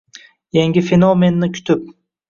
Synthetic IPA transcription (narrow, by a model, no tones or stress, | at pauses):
jaŋʲɪfe̞nome̞nːɪkʲʰʊ̥t̪ʰɪp̚